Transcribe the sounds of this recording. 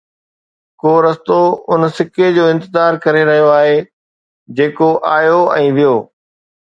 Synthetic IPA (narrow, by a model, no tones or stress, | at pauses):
koːɾɐst̪oʊnsɪked͡ʑoːɪ̃nt̪ɪzaːɾkɐɾeɾɐɦijoaːɦe | d͡ʑeːkoʔaːjoɛ̃ːʋijoː